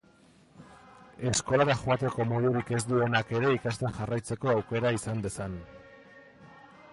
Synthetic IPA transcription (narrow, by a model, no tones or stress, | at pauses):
e̞sko̞ɾaðaxoat̪e̞ko̞mo̞ðuɾike̞zd̪ue̞nake̞ɾe̞ikast̪enʝarajt͡se̞ko̞awke̞ɾaisand̪e̞san